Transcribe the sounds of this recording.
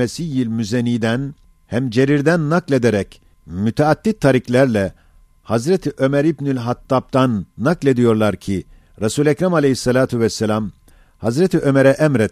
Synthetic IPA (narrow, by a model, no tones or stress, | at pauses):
esijilʲmyzeniːd̪æn | hæmd͡ʒe̞ɾiɾd̪ænːaklʲe̞d̪eɾɛc | myt̪ʰɛat̪ːit̪ʰːaɾiklʲæɾlʲɛ | hazɾet̪ʰiʔø̞mæɾibnylʲɦat̪ʰːap̚t̪anːaklʲe̞d̪ijo̞ɾlˠaɾcʰi | ɾasuːlʲɛcɾamalʲehisːalʲaːt̪ʰyvɛsːelʲam | hazɾet̪ʰiʔø̞mɛɾɛʔɛmɾɛt̪